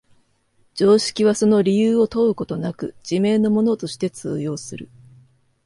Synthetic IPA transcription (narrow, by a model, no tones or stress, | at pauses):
d͡ʑ̥o̞ːɕi̥kʲiβ̞aso̞no̞ɾʲijɯːo̞t̪o̞ɯ̟ko̞t̪o̞nakɯ̟d͡ʑ̥ime̞ːno̞mo̞no̞t̪o̞ɕi̥t̪e̞t͡sɨ̰ːjo̞ːsɨɾɯ̟̰